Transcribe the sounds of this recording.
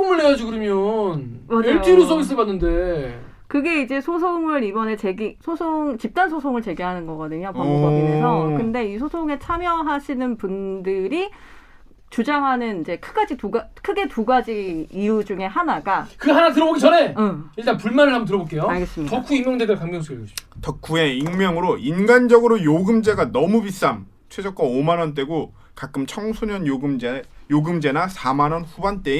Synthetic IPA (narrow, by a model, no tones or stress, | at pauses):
omɯɭneɡad͡ʑuɡodomjonmaaɭjoiɾosʰoŋis͈ɯɭbanːɯnde | kɯɡe̞id͡ʑe̞sʰosʰoŋɯɾibʌne̞t͡ɕe̞ɡisʰosʰoŋt͡ɕip̚t͈ansʰosʰoŋɯɭt͡ɕe̞ɡiɦanɯnɡʌɡʌdɯɲopamoʌiesʰʌkɯnde̞isʰosʰoŋe̞t͡ɕʰamjʌɦaɕʰinɯnpundɯɾi | t͡ɕud͡ʑaŋɦanɯnid͡ʑe̞kʰɯɡad͡ʑituɡakʰɯɡe̞tuɡad͡ʑiijud͡ʑuŋe̞ɦanaɡakɯɦanatɯɾʌboɡit͡ɕʌne̞ʌiɭt͈anpuɭmanɯɭɦambʌnt̬ɯɾʌbok͈e̞joaɭɡes͈ɯmɲitʌk͈ʰːuiŋmjʌŋd͡ʑedɯɭkaŋɡʌŋs̬ʰɯiɭkʌɕʰi̥tʌkʰue̞iŋmjʌŋɯɾoinɡand͡ʑʌɡɯɾojoɡɯmd͡ʑe̞ɡanʌmubis͈am | t͡ɕʰwe̞d͡ʑʌk̚k͈waomanʌnt̬͈e̞ɡo | kak͈ɯmt͡ɕʰʌŋsʰuɲʌnoɡɯmd͡ʑejoɡɯmd͡ʑe̞nasʰamanʌnɸubant͈e̞